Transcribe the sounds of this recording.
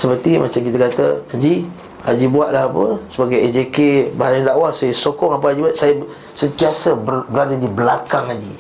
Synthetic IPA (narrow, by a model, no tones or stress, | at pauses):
səpərt̪imʔa̰t͡ʃamkit̪akat̪a̰ad͡ʒi | had͡ʒibuaʔ̪̚laɦapəsəbaɡajɛd͡ʒekebaanadaʔwahsajəsokɔŋap̬əad͡ʒibat̪̚sajə | sənt̪iasəbəbəɾadadibəlakaŋad͡ʒḭ